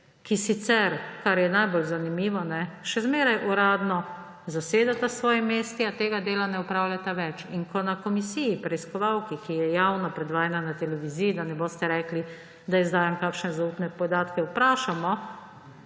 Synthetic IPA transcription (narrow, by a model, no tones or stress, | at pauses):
kisit̪sɛɾkaɾjɛnajbolzanimiːʋɔnɛʃɛzmeːɾajʔuɾaːd̪nɔ | zaseːd̪at̪asʋɔːjimːeːst̪iat̪eːɡad̪eːlanɛupɾaːwlʲjat̪aʋɛt͡ʃiŋkɔnakɔmisijipɾɛiskɔʋawkikijɛjawnɔpɾɛd̪ʋaːjɛnanat̪ɛlɛʋizijid̪anɛboːst̪ɛɾɛːkli | d̪aizd̪aːjɛmkaːkʃnɛzauːt̪nɛpɔd̪aːt̪kɛupɾaːʃamɔ